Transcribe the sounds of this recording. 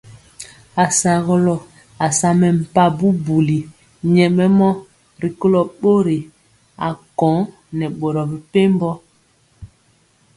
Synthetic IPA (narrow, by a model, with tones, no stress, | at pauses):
a˨sa˨ɣɔ˦lɔ˨ | a˨sa˨mɛ˨m̩˨pa˦bu˦bu˨li˨ | ɲɛ˨mɛ˦mɔ˦ | ɾi˨ko˦lɔ˨ɓo˦ɾi˨ | a̰˨kɔ̃˨˦ | nɛ˨ɓo˨ɾɔ˨bi˨pe˦mbɔ˦